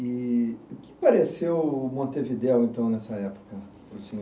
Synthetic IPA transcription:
ɪʊkɪ̥paɾesewmõnt̪evid̪ɛwẽnt̪ɐ̃w̃nɛsɐɛpo̥kɐ | ot͡ʃĩ

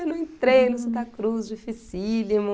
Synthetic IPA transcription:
nɐ̃ẽt̪ɾejlʊsɐ̃t̪ɐkɾuzd͡ʒɪfisilimʊ̃

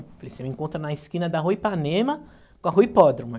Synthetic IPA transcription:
falesemɪẽkõnt̪ɾɐnɐiskĩnɐd̪ɐɦuipanẽmɐ | kõɐɦujpɔd̪ɾũmɐ

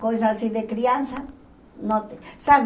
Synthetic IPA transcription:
kojs̬asiðekɾiansa | nõt̪esa

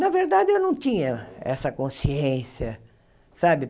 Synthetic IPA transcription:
nɐveɾd̪ad͡ʒɪewnɐ̃w̃t̪ĩɲɐɛ̰sɐkõsiẽsjɐ | sabɪ

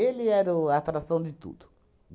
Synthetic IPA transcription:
elɪɛɾɐat̪ɾasɐ̃w̃d̪ɪt̪ṵd̪ʊ

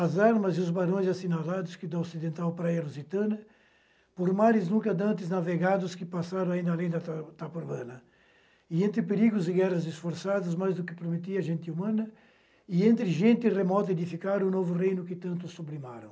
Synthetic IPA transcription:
ɐzaɾmɐzɪʊzbaɾõj̃zasinalad̪ʊskɪd̪ɐosid̪ẽnt̪awpɾajɐluzit̪ɐ̃nɐ | poɾmaɾɪznũŋkɐd̪ɐ̃nt̪ɪznaveɣad̪ʊskɪpasaɾɐ̃w̃aĩnd̪ɐalẽj̃d̪ɐat̪apuɾbɐ̃nɐ | ɪẽnt̪ɾɪpeɾiɡʊzɪɡɛrɐzɪsfoɾsad̪ʊzmajzd̪ʊkɪpɾomet̪̬iɐʒẽnt̪ɪumɐ̃nɐ | ɪẽnt̪ɾɪʒẽnt̪ɪremɔt̪ɐed̪ifikaɾʊnovʊrejnʊkɪt̪ɐ̃nt̪ʊsoblima̰ɾɐ̃w̃

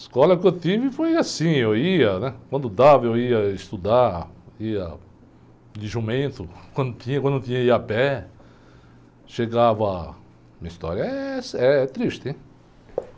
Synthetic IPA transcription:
skɔlɐkɪewt̪ivɪfojasĩewiɐnɛkwɐ̃nd̪ʊd̪avɐewiɐist̪ud̪aiɐ̰ | liʒumẽnt̪ʊkwɐ̃nd̪ʊt̪ĩɲɐkw̪̃ʊt̪ĩɲɐiapɛ | ʃeɡavɐ | mĩɐist̪ɔ̰ɾjɐɛsɛt̪ɾiʃt̪ɪẽ

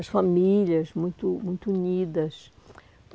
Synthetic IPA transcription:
ɐʃfamiʎɐzmũj̃t̪ʊmũj̃t̪uunid̪ɐs

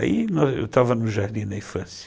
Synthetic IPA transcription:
a̰inɔzḛwt̪avɐnʊʒaɾd̪ĩd̪ɐĩfɐ̃s

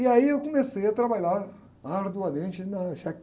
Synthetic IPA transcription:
ɪaiewkõmesejɐt̪ɾabaʎaɾ | ɐɾd̪ualmẽnt͡ʃɪnɐʃak

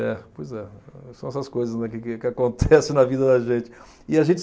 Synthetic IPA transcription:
ɛpojzɛsɐ̃w̃ɛsɐskojzɐznɛkɪkɪkɪakõnt̪ʰɛsɪnɐvid̪ɐd̪ɐʒẽt͡ʃɪ̥ | ɪaʒẽnt͡ʃ

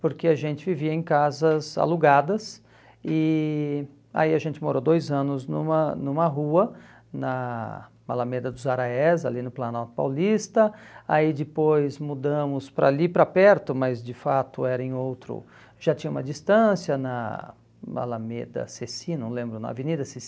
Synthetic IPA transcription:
poɾkeaʒẽnt͡ʃɪviviɐẽkazɐza̰luɡad̪ɐs | ɪ | a̰iaʒẽnt͡ʃɪmoɾod̪ojzɐ̃nʊznṵ̃mɐnũmɐɦuɐ | nɐ | ma̰lɐmed̪ɐd̪ʊzaɾaɛza̰linʊplanawt̪ʊ̥pa̰wlist̪ɐa̰id͡ʒɪpojzmud̪ɐ̃mʊspɾalipɾɐapɛɾt̪ʊmɐzd͡ʒɪfat̪ʊɛɾɐẽowt̪ɾʊ̰ | ʒ̥at͡ʃĩɲɐũmɐd͡ʒist̪ɐ̃sjɐnɐ̰ | ma̰lɐmed̪ɐ̰sesĩnɐ̃w̃lẽmbɾʊnɐ̰a̰venid̪ɐses

